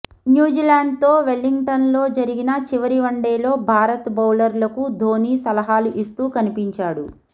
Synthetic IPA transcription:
njuːd͡ʒiːlaːɳɖ̚t̪o̞ːʋelːiŋɡʈɐnlo̞ːd͡ʒɐɾiɡinɐt͡ʃiʋɐɾiʋɐɳɖeːlo̞ːbʱaːɾɐt̪bɐwlɐɾlɐkud̪ʱo̞ːniːsɐlɐɦaːluʔist̪uːkɐnipiɲt͡ʃaːɽu

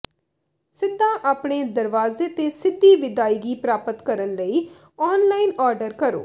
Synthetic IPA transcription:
sɪd̪ʱːãːʔaːpɳeːd̪əɾʋaːzeːt̪eːsɪd̪ːiːʋɪd̪aːiːɡiːpɾaːpət̪kəɾənləiː | ɔːnlaːinɔːɾɖəɾkəɾo̰ː

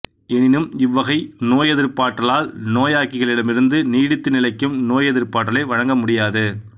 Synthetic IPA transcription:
ɛnɪnɯmɪʋːɐɣɐɪnoːjɛðɪɾpaːʈːɐlaːlnoːjaːkːɪɣɐɭɪɽɐmɪɾɯnd̪ɯniːɽɪt̪ːɯnɪlɐɪkːɯmnoːjɛðɪɾpaːʈ̬ːɐlɐɪʋɐɻɐŋɡɐmʊɽɪjaːðɯ

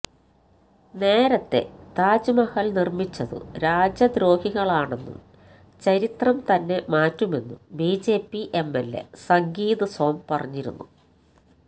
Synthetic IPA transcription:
ne̞ːɾɐt̪ːe̞̰t̪aːd͡ʑumɐhɐlnirmit͡ɕːɐðɨ̰ɾaːd͡ʑɐd̪ɾo̞ːhiɣɐɭaːɳe̞nːṵm | t͡ɕɐɾit̪rɐmt̪ɐnːe̞maːtːume̞nːumbiːd͡ʑe̞ːpːiʔe̞mːelːe̞̰sɐŋɡiːðɐsoːmpɐrɐɲːiɾṵnːu

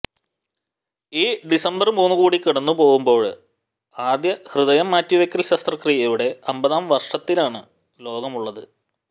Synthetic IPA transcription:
iːɖisɐmbɐrmuːnːuɣuːɽikiɽɐnːupo̞ːɣumbo̞ːɭ | aːd̪jɐhrɨðɐjɐmːaːtːiʋekʲːɐlɕɐːst̪rɐkrijɐjuɽe̞ɐmbɐðaːmʋɐrʂɐt̪ːilaːɳɨ | lo̞ːɡɐmuɭːɐðɨ

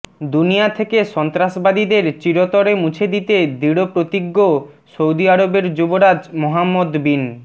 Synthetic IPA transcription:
d̪unijat̪ʰekeʃɔnt̪ɾaʃbad̪id̪eɾt͡ɕiɾot̪oɾemut͡ɕʰed̪it̪ed̪iɽopɾot̪iɡːosowd̪iaɾobeɾd͡ʑuboɾad͡ʑmoɦamːod̪bin

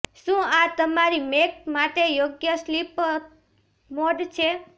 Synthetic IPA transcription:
ʃũat̪əmaɾimekmaʈejoɡjəslip | moɖt͡ʃʰe

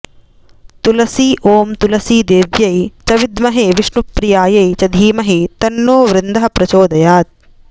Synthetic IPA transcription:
t̪ulɐsiːʔoːmt̪ulɐsiːd̪eːʋjɐjt͡ʃɐʋid̪mɐɦeːʋiʂnupɾijaːjɐjt͡ʃɐd̪ʱiːmɐɦit̪ɐnːoːʋɾɪnd̪ɐɦɐpɾɐt͡ʃoːd̪ɐjaːt̪̚

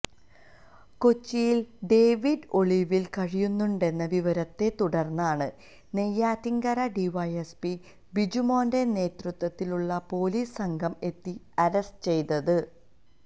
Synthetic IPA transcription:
kot͡ɕːijilɖe̞ːʋiɖo̞ɭiʋilkɐɻijunːuɳɖe̞nːɐʋiʋɐɾɐt̪ːe̞t̪uɽɐrnːaːɳɨ | ne̞jːaːt̪iŋɡɐɾɐɖiʋɐjespi | bid͡ʑumoːnde̞ne̞ːt̪rut̪ʋɐt̪ːiluɭːɐpo̞ːliːssɐŋɡʱɐme̞t̪ːi | ɐɾɐstɨt͡ɕe̞jt̪ɐðɨ

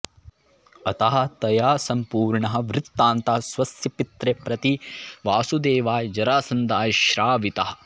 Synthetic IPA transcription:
ɐt̪ɐɦɐ̆t̪ɐjaːsɐmpuːɾɳɐɦɐ̆ʋɾɪt̪ːaːnt̪ɐɦɐsʋɐsjɐpit̪ɾepɾɐt̪iʋaːsud̪eːʋaːjd͡ʒɐɾaːsɐnd̪aːjɐʃɾaːʋit̪ɐɦɐ̆

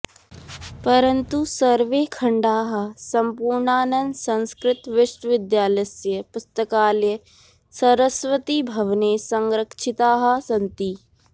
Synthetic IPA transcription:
pɐɾənt̪usɐɾʋeːkʰɐɳɖaːɦɐsɐmpuɾɳaːnɐnsɐ̃nskɾɪt̪ʋɪʃʈʋɪd̪jaːlɐsjəpʊst̪əkaːljə | sɐɾəsʋət̪ibʱɐʋneːsɐŋɾəkʂʰɪt̪aːɦɐ̆sɐ̃nt̪iː

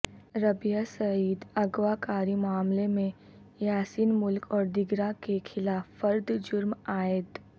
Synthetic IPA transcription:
ɾɐbijasɐiːd̪ɐɡwakaːɾimaːmlemẽ | jaːsiːnmʊlkɔːɾd̪ɪɡɾakekʰɪlaːfːɐɾd̪d͡ʒʊɾmaːɪt̪

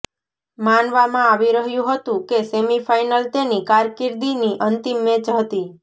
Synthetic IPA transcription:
manʋamãaʋiɾəɦjũɦət̪ũkesemifajnəlt̪enikaɾkɪɾd̪iniʔənt̪imːẽt͡ʃɦət̪i

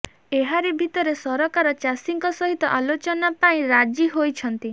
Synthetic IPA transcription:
eɦaɾebʱit̪ɔɾesɔɾɔkaɾɔt͡ʃasiŋkɔsɔɦit̪ɔʔalot͡ʃɔnapaĩɾad͡ʒiɦojt͡ʃʰɔnt̪i

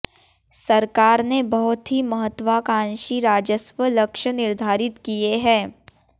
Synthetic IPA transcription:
sɐɾkaːɾnebɐɦʊt̪ɦimɐɦət̪ːwaːkãːnʃiɾaːd͡ʒəsʋələkʃənɪɾd̪ʱaːɾɪt̪kieɦɛ̃ː

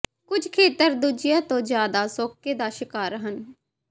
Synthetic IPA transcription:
kʊd͡ʒʱkʰeːt̪əɾd̪uːd͡ʒɪjãːt̪õːd͡ʒjaːd̪aːsoːkːeːd̪aːʃɪkaːɾɦən

